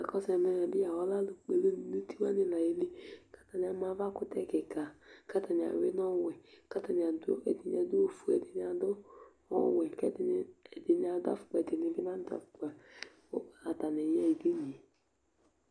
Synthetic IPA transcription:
a˨kɔ˦sɛ˨mɛ˦n˨a˨bi˦a˨wɔ˦la˦lo˨k͡pe˨le˦n˨nu˦ti˦wa˦nɪ˨la˨je˦li˦kḁ˦ta˨n˨a˨˦ma˨˦va˦kʊ˦tɛ˦˨kɪ˨ka˨ka˦ta˨n˨a̰˨we˦n˦ɔ˦wɛ˨ka˦ta˨n˨a˨dɛ̰˨di˨ɲ˨a˨du˦o˨fu˨ɛ˨dɪ˨n˨˦a˨dʊ˦ | ɔ̰˦wɛ˨kɛ̰˦dɛ˨dɪ˨n˨˦a˨da̰˦fʊ̥˨k͡pɛ˨de˨nɪ˨ɡɪ˦na˦n˦dɔ̰˨fk͡pɛ˨˦˨ | a˨ta˨nɛ˨jɛ˦i˨di˦ni˨

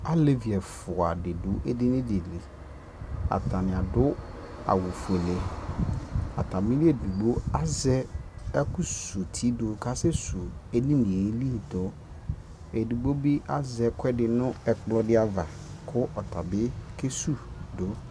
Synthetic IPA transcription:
a˦le˦vi˨ɛ˨fʊ˨a˨dɪ˨dʊ˦ʔɛ˦dɪ˦nɪ̃˦de˨li˨ | a̰˨tʰa˨nɪ̃˨a˨dʊ˦ | a̰˨wʊ˨fu˨e˨le˨˦ | a̰˨tʰa˨mĩ˦li˦e˨du˨ɡ͡bo˦a˦zɛ˦ɛ˦kʊ˦su˨tʰi˦dʊ˨kʰa˦sɛ˦su˨e˦nĩ˦nĩ˨e˨˦li˦˨tɔ˨ | e˨du˨ɡ͡bo˦bi˦ʔa˦zɛ˨kʰɛ˦dɪ˨nʊ̃˦ɛ˨k͡plɔ˦dɪ˦a˨va˨ | kʰʊ˦ʔɔ˨tʰa˨bɪ˦kʰe˦su˦dʊ˨˦

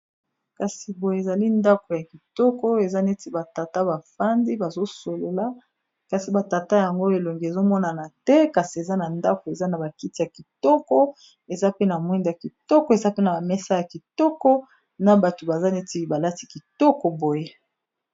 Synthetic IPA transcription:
ka˨si˨bo˨je˨za˨li˦nda˦ko˨ja˨ki˨tɔ˦kɔ˦e˨za˦ne˦ti˦ba˨ta˨ta˦ba˨fa˦ndi˦ba˨zo˦so˨lo˨la˦ | ka˨si˨ba˨ta˨ta˦ja˨ŋɡo˦e˨lo˨ŋɡi˨e˨zo˦mɔ˦na˨na˨tɛ˦ka˨si˨e˨za˦na˨nda˦ko˨e˨za˦na˨ba˨ki˦ti˨ja˨ki˨tɔ˦kɔ˦ | e˨za˦pe˦na˨mwɛ˦nda˨ki˨tɔ˦kɔ˨˦e˨za˦pe˦na˨ba˨mɛ˦sa˦ja˨ki˨tɔ˦kɔ˦ | na˨ba˨to˨ba˨za˦ne˦ti˦ba˨la˦ti˦ki˨tɔ˦kɔ˨bo˨je˦

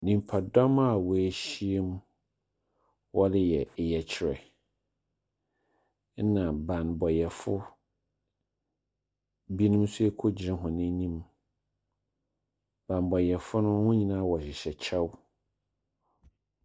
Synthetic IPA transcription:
nĩ˨m˨pʰa˨dɔ̃˦ma˦˨wɔ˨æ˨ɕi˦e˦m˦ | wʔɔ˦lɪ˦jɛ˨jɛ˨t͡ɕʰɪ˨ɾɛ̰˨˦ | nã˨bã˨nbɔ˨jɛ˨fʊ˦ | bi˦nʊ̃˦m˦su˦e˦kʰo˦d͡ʑɪ˨˦ɾɪ̃˦ɦʊ̃˨nɪ̃˦nĩ˦m | b̥ã˨nbɔ˨jɛ˨fʊ˦nʊ̃˦hʊ̃˦ɲĩ˦nãː˦wɔ˨ɕɪ˨ɕɛ˨t͡ɕʰɛ˦w

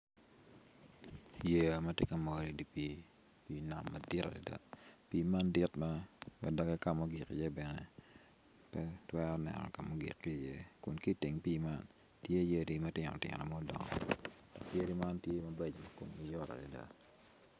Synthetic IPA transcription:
je˨a˨mɐ˦te˦ka˦mo˨ɾi˨di˨pi˦ | pi˨na̰˨mːɐ˨dɪ˦ta̰˨di˨da̰˦piː˦ma˦ndɪ˦tma˦wa̰˨dɔ˦kɛ˦ka˦mo˦ɡi˨kḭ˨je˦bɛ˨nɛ̰˨ | pɛ˦twɛ˦ɔ˦nɛ̰˨nɔ̰˨ka˨mo˦ɡḭ˨kːi˦˨je˦kʊ˨nki˦ti˨ŋpi˦ma˦n | tje˦je˦di˨mɐ˦tɪ˦ŋ˨ɔ̰˨tɪ̰˨ŋ̰˨nɔ˨mɔ˦dɔ̰˨ŋɔ̰˨d̥ɔ̰˨kje˦ɾi˦ma˦ntje˦mɐ˦bɛ˨d͡ʒmɐ˨ko˨mɡi˨jɔ˦ɾa̰˨di˨da̰˦

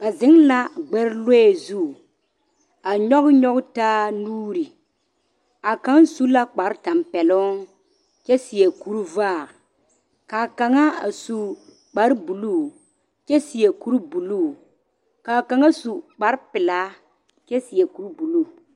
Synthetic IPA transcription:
ba˨zɪ˨˦ŋla˦ɡ͡bɛ˦ɾlo˦ɛ˨zu˦˨ | a˨ɲɔ˦ɣɲɔ˦ɣʊ˦taː˦nuː˦ɾi˨ | a˨ka˦ŋ˦su˦la˦k͡pa˨ɾta˨mpɛ˨lɔ˦ | t͡ʃɛ˦si˨jɛ˨ku˦ɾvaː˦˨ | ka˨ka˨ŋa˦a˨su˨ | k͡pa˨ɾbu˨lu˦˨ | t͡ʃɛ˦si˨jɛ˨ku˦ɾbu˨lu˦˨ | ka˨ka˨ŋa˦su˨k͡pa˨ɾpɪ˨laː˦ | t͡ʃɛ˦si˨jɛ˨ku˨˦ɾbu˨lu˦˨

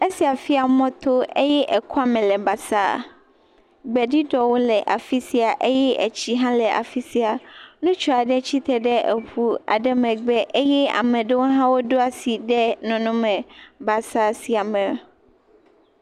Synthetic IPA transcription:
e˦si˨a˨fi˦a˨mɔ̃˦t̪o˦e˦jɛ˦ʔɛ˨kʰu˦a˨mɛ̃˨lɛ˨ba˨sa˦˨ | ɡ͡bɛ˨ɖi˦ɖɔ˨wo˦lɛ˨ʔa˨fi˦si˨a˨ʔe˦jɛ˦ʔɛ̰˨t͡ɕi˦ɦã˦lɛ˨ʔa̰˨fi˦si˨˦a˨nũ˦t͡ʃɔ˨a˨ɖɛ˦t͡ɕi˦t̪ɛ˨ɖɛ˦ʔe˨ɸu˦a̰˨ɖɛ˦mɛ̃˨ɡ͡bɛ˦ʔe˦jɛ˦a̰˨mɛ̃˨ɖe˦wo˦ɦã˦wo˦ɖo˦a˨si˨ɖɛ˦nɔ̃˨nɔ̃˦mɛ̃˨ba˨sa˦si˨a˨mɛ̃˨

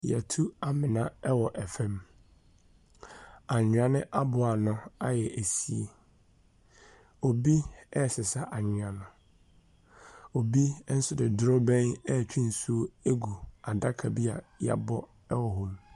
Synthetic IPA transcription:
jɛ˨tʰu˦a˨mɪ̃˨nã˦ɛ˦wɔ˨ʔɛ˨fɛ̃˦m | ã˨ɲʊ̃˨ã˨nɪ̃˦ʔa˦bʊ˨a˨nʊ̃˦a˦jɛ˨ʔæ˨si˦e˦ | o˨bi˦ɛ˦˨sɪ˨sa˦ʔa˨ɲʊ̃˨ã˨nʊ̃˨ | o˨bi˦n̩˦sʊ˦dɪ˨dɾɔ˦bɛ̃˦nɛ˦˨t͡ɕʰᶣĩ˦n̩˨su˦e˦ɡu˨a˨da˦kʰa˨bi˦a̰˨ja̰˨bɔ˦ | ɛ˦wɔ˨ɦʊ˨m

